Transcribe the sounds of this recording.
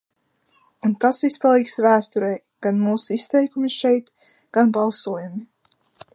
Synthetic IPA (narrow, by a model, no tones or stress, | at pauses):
unt̪asvispalˠiːksvæːst̪uɾɛj | ɡ̥anmuːsuist̪ɛjkumisʃɛjt̪ | ɡ̥anbalˠsuɔjumi